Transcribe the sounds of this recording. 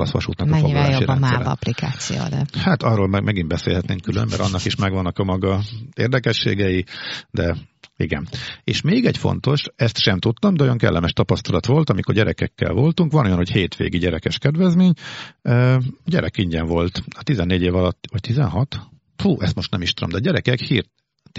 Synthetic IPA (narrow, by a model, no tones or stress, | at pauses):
lɒ̰sʋɒ̰ʃut̪nɒɲoiɡajajoːiɾbɒɛnmasɛɾɛɒ̰plikaːt̪sḭjo̰ːd̪ɛ̰haːt̪ɒrːoːlmɛmɛɡimbɛsḛːlhɛt̪neːŋkylø̰mbɛ̰ɾʔɒ̰nːɒkiʃmɛɡʋɒnːɒkɒmɒɡɒeːrd̪ɛkɛʃːḛːɡɛjid̪ɛ | iɡɛ̰nḛːʃmeːɡɛɟfo̞̰nt̪o̞ʃɛst̪ʃɛmt̪ut̪ːɒmd̪ɛojoŋkɛ̰lːʔɛmɛʃt̪ɒpɒst̪ɒlɒt̪ʋo̞lt̪ɒmikorɟɛɾɛkɛkːɛ̰lvo̞lt̪uŋkʋɒno̞jɒnho̞cheːt̪ʋḛːɡiɟɛɾɛkɛʃkɛd̪ʋɛzmeːɲøːɟɛɾɛkiɲɟɛɱvo̞lt̪ɒt̪izɛnːeːɟeːvɒlɒt̪ːɒct̪izɛ̰nɦɒt̪ | huːʔɛst̪mo̞ʃt̪nɛmiʃt̪ud̪o̞md̪ɛɒːɟɛɾɛkɛkhiːrt̪